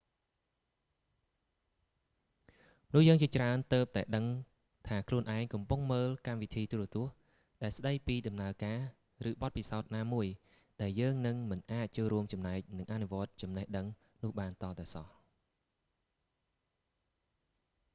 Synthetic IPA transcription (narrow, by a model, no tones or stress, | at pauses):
nʊ̆əhjəːŋt͡ɕiət͡ɕraənt̪əːp̚t̪aɛɗəŋ | t̪ʰaːkʰluənʔaɛŋkɑmpuŋməːlkamʋit̪ʰiːt̪ur̆ət̪ʊ̆əh | ɗaɛlsɗəjpiːɗɑmnaəkaː | rɨːɓɑt̪̚pisaɔt̪̚naːmuəj | ɗaɛljəːŋnɨŋmɨnʔaːc̚t͡ɕoːlɾuəmt͡ɕɑmnaɛk̚nɨŋʔanuʋŏət̪̚t͡ɕɑmnəhɗəŋ | nʊ̆əhɓaːnt̪ɑːt̪aɛsɑh